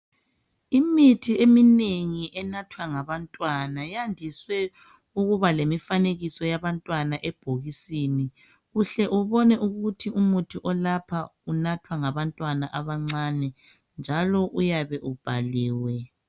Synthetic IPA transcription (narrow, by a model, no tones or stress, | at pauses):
imitʰiemineŋiʔɛnatʰwaŋaβantʼwanajandʱiswɛ | uɣuβalemifaneɣisɔjaβantʼwanaʔɛb̥ʱoɣisini | ɣuɬɛʔuβɔnɛʔuɣutʰiumutʰiʔɔlapʰaunatʰwaŋaβantʼwanaʔaβaŋ͡ǀanɛ | nd͡ʒʱalɔʔujaβɛʔub̥ʱaliːwɛ